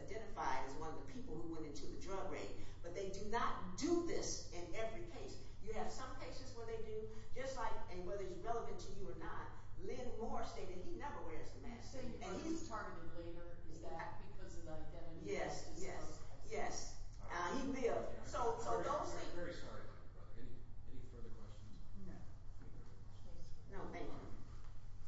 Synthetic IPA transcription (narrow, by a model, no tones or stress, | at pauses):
aɪdɛ̃ɾ̃ɨfaɪɾɨzwʌ̃nʌvðəpʰipl̩ˠhuwɛ̃ɾ̃ɪ̃ntʰuðɨdɹʌɡɹḛ̃ɪ̃n̚b̥ʌt̪̚ðeɪdɨnət̚d̥ɨðɪsɪ̃nɛvɹikʰeɪsjɨɨv̥sʌ̃mkʰeɪsɨzwə˞ðeɪdɨ̥d͡ʒ̥ʌstˡlaɪkɨ̃wɛðə˞ɨzɹɛlˠəvɨ̃ntʰɨjɨə˞nət̚lɪ̃nmɔɹsteɪɾɨ̃ninɛvə˞wɛɹzðɨmæ̰̃nsteɪɨ̃nitʰɜ̃˞mɨnɨ̃vleɪɾə˞ɪzɨt̚bɨkʰʌzilaɪk̚ɨɾɨ̃jɛsjɛsjɛs | hilɪvd̥soʊsoʊðoʊsẽɪ̃vɛɹisɑ̰ɹḭɹɛniɛnifɜ˞ðə˞kʰw̥ɛ̰st͡ʃn̩z̥̰ | ni˞kʰɛnoʊmẽɪ̃nɨ̰̃